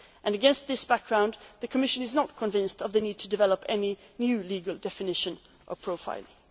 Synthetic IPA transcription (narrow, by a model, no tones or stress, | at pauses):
ʔɨ̃nɨɡɛ̃nst̪̚ðɪsb̥æk̚ɡ̥ɹãʊ̃nðɨkʰəmɪʃɨ̃nɨznət̚kʰə̃ɱvɪ̃nstʌvðɨnid̚tʰɨdɨvɛlˠəpʰɛninjʉliɡəl̩ˠdɛfɨnɪʃɨ̃n | ʔəpʰɹ̥oʊfa̰ɪlˠɪ̃ŋ